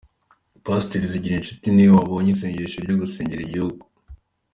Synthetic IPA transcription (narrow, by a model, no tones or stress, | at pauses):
pasteɾiziɟiɾinʃu̥tiniwaβoːɲiseːɲɟeɾeʃoɾɟuɡuse̞ːɲɟeɾeɟihuɡu